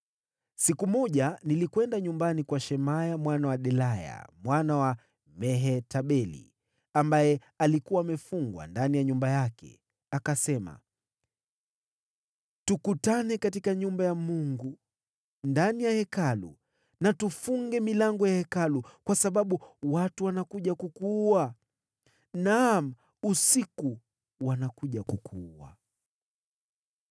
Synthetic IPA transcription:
sikumɔʄanilikwɛndaɲumbanikwaʃɛmajamwanawaɗɛlaja̰mwanawa | mɛɦɛtaɓɛlḭ | ambajɛ | alikuwaːmɛfuŋɡwa̰ndanijaɲumbajakɛ̰ | akasɛma̰ | tukutanɛkatikaɲumbajamuŋɡu | ndanijahɛkalṵ | natufuŋɡɛmilaŋɡɔjahɛkalukwasaɓaɓuwatuwanakuʄakukuːa | nam̩ | usiku | wanakuʄakukʰuua̰

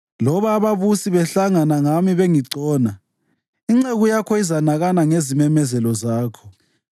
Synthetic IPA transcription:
lɔβaːβaβusiβɛɬaŋanaŋamiβeŋiǀɔːna | iŋ͡ǀeɣujakʰɔizanaɣanaŋezimɛmɛzɛlɔzaːkʰɔ̥

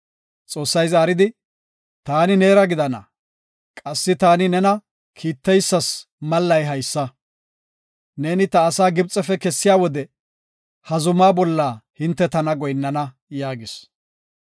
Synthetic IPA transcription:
t͡sʼo̞ːsːɐjzaːɾɪd̪ɪ | t̪aːnɪne̞ːɾɐɡɪd̪ɐnɐ̰ | kʼɐsːɪt̪aːnɪnɛnɐ | kʰiːt̪ːɛjsːɐs | mɐlːɐjɦɐjsːɐ | ne̞ːnɪt̪ɐːsaːɡɪb̚t͡sʼɛfɛkɛsːɪjaːwɔd̪ɛ | hɐzʊmaːbɔlːaːhɪnt̪ːɛt̪ɐnɐɡɔjnːɐnɐ | jaːɡɪs

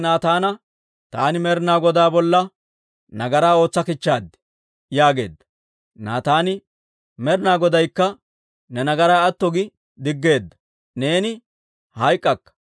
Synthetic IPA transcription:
naːt̪aːnɐ | t̪aːnɪmɛɾnaːɡɔd̪aːbɔlːɐ | nɐɡɐɾaːo̞ːt͡sːɐkɪt͡ʃːaːd̪ːɛ̥ | jaːɡe̞̰ːd̪ːɐ̥ | na̰ːt̪aːnɪ | mɛɾɪnaːɡɔd̪ɐjkːɐ | nɛnɐɡɐɾaːɐt̪ːɔɡɪ | d̪ɪɡːe̞ːd̪ːɐ̥ | ne̞ːnɪ | hɐjkʼːɐkːɐ̥

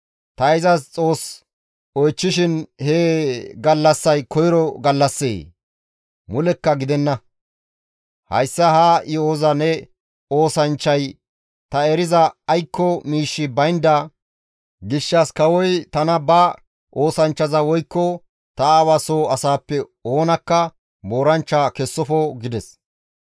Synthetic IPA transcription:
t̪ɐɪzɐst͡sʼo̞ːs | ɔjt͡ʃːɪʃɪnheːɡɐlːɐsːɐjkɔjɪɾɔɡɐlːɐsːḛː | mʊlɛkːɐɡɪd̪ɛnːɐ | hɐ̰jsːɐhaːjɔozɐnɛ | o̞ːsɐnt͡ʃːɐj | t̪ɐɛɾɪzɐːjkːɔmiːʃːɪbɐjnd̪ɐ | ɡɪʃːɐskɐwɔjt̪ɐnɐbɐ | ʔo̞ːsɐnt͡ʃːɐzɐwɔjkːɔ | t̪ɐawasoːɐsaːpːɛ | o̞ːnɐkːɐ | bo̞ːɾɐnt͡ʃːakɛsːɔfɔɡɪd̪ɛs

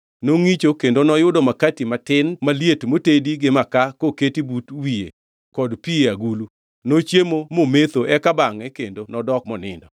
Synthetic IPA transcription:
noŋit͡ʃokendonɔjʊdɔmakatimatɪnmaljetmotediɡɪmakakoketibutwiḛ | kɔdpieaɡulu | not͡ʃjemomomet̪oʔɛkabaŋɛkendonɔdɔk̚mɔnɪ̰ndɔ

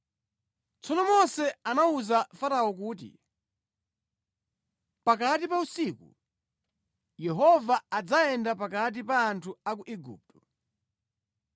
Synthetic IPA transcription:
t͡sɔnɔmɔsɛanauzafaɾaɔkuːt̬ḭ | pakatipausikṵ | jɛɦɔvaad͡zaɛndap̬akat̬ipaːntʰuak̬uʔɛɡṵːp̚tɔ

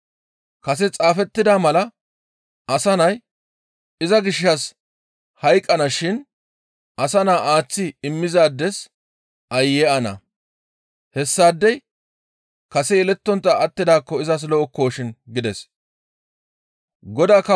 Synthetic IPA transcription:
kɐs̬ɛt͡sʼaːfɛt̪ːɪd̪aːmɐlɐ | ɐsɐnɐj | ɪzɐɡɪʃːɐs | hɐjkʼːɐnɐʃɪn | ʔɐsɐnaːʔaːt͡sːɪɪmːɪzaːd̪ːɛs | ɐjːɛɐnɐ̰ | hɛsːaːd̪ːɛj | kɐsɛɪlɛt̪ːɔnt̪ːɐɐt̪ːɪd̪aːkːɔɪzɐs̬lɔɔkːo̞ːʃɪnɡɪd̪ɛs | ɡɔd̪aːkɐ

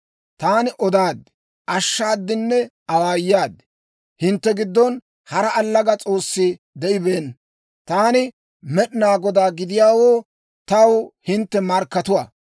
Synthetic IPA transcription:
t̪aːnɪʔɔd̪aːd̪ | ʔɐʃːaːd̪ːɪnːɛ | ɐwaːjːaːd̪ɛ | hɪnt̪ːɛɡɪd̪ːɔn | hɐɾɐɐlːɐɡɐt͡sʼo̞ːsːɪ | d̪ɛʔɪbe̞ːn | t̪aːnɪ | mɛɗɪnaːɡɔd̪aːɡɪd̪ɪjaːwoː | t̪ɐwhɪnt̪ːɛmɐɾkːɐt̪ʊwa

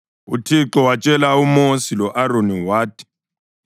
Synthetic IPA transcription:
utʰiǁɔwat͡ʃʼɛlaumosilɔʔaɾoniwaːtʼi̥

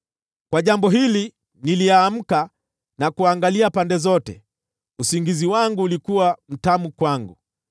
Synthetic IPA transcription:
kwaʄambɔɦili | niliaːm̩ka | nakuaŋɡaliapandɛzɔtɛ̰ | usiŋɡiziwaŋɡuːlikuwam̩tamukwaŋɡu

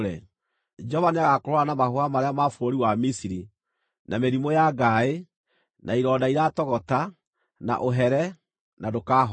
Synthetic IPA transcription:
ɾɛ | d͡ʒɔvaniaɣakoɾwanamahoamaɾeamafoɾoɾiwamisiɾi | nʔameɾimojaɡae | naiɾɔːdaiɾatɔɣɔta | na̰ʔoɦɛɾɛ | nadokaːɦɔ

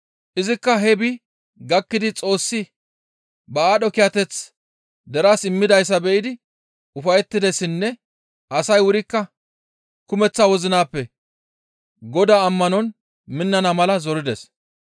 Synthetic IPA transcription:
ʔɪzɪkːɐɦɛbɪ | ɡɐkːɪd̪ɪt͡sʼo̞ːsːɪ | bɐaːɗɔkɪjɐt̪ɛt͡s | d̪ɛɾaːsɪmːɪd̪ɐjs̬ːɐbɛʔɪd̪ɪ | ʊfɐjɛt̪ːɪd̪ɛsɪnːɛ | ʔɐsɐjwʊɾɪkːɐ | kʊmɛt͡sːawɔzɪnaːpːɛ | ɡɔd̪aːɐmːɐnɔn | mɪnːɐnɐmɐlɐzɔɾɪd̪ɛs

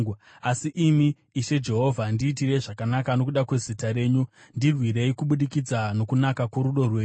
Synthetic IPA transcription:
asiʔimiː | ʃe̞d͡ʒe̞ɦo̞vʱandiːtire̞ʐakanakano̞kuɗakwe̞zitaɾe̞ːɲundirwire̞ikuɓuɗikid͡zano̞kunakakuɾuɗo̞rweː

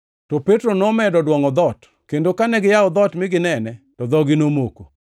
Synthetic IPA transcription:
tɔpetɾonɔmɛdɔdwɔŋɔd̪ɔt | kendokanɛɡɪjaɔd̪ɔtmɪɡɪnɛnɛ | tɔd̪ɔɡɪnomoko

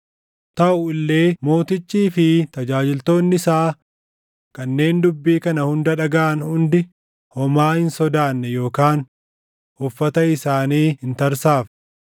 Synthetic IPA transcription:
t̪ɐʔʊɪlːe̞ːmo̞ːt̪ɪt͡ʃːiːfɪt̪ɐd͡ʒaːd͡ʒɪlt̪o̞ːnːɪsaː | kɐnːe̞ːnd̪ʊbːiːkɐnɐhʊnd̪ɐᶑɐɡɐʔɐnhʊnd̪ɪ | hɔmaːhɪnsɔd̪aːnːɛjo̞ːkaːn | hʊfːɐt̪ɐɪsaːniːhɪnt̪ɐɾsaːf

